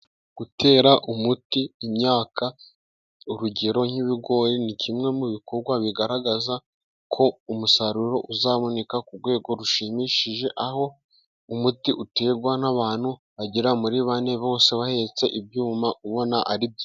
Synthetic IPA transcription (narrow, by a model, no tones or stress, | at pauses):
ɡ̥utʰe̞ːɾaʔumutiːmɲaːka | uɾuɟe̞ɾo̞ŋ̥iβiɡo̞ːɾinicʰimŋe̞muβiko̞ɾɡwaβiɡaɾaɡaza | kʰo̞umusaɾuɾo̞ʔuzaːβone̞kakuɾɡwe̞ːɡo̞ɾuʃimiʃiʒe̞ʔaho̞ | umutiʔute̞ːɡwanaβaːn̥hu | βaɟiɾamuɾiβane̞βo̞ːse̞βahe̞t͡se̞ʔibjuːmaʔuβo̞naʔaɾibjo